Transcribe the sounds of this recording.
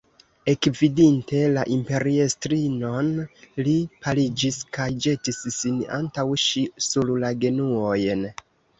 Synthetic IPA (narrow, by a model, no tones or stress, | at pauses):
e̞kvidinte̞laʔimpe̞ɾiestɾino̞nlipalid͡ʒiskajd͡ʒe̞tisːina̰ntawʃisullaɡe̞nuojn